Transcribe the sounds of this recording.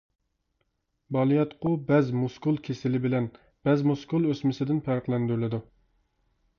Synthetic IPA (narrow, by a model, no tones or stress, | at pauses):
bɑlˠijɑt̪qʰʊbɛzmuskulˠkʲʰesɪlɪbɪlɛn | b̥ɛzmuskulˠøsmɪsɪd̪ɪnpʰæɾqlˠɛnd̪yɾlɪd̪u